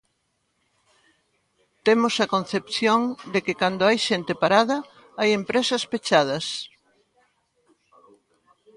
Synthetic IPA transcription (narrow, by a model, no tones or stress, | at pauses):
t̪emosɐkonθepθjoŋd̪ekɪkand̪oajʃent̪epaɾaðɐ | ajempɾesɐspet͡ʃað̞ɐs